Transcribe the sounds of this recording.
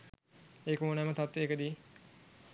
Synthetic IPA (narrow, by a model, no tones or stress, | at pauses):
eːkəmonmət̪at̪ʋeeːkəd̪iː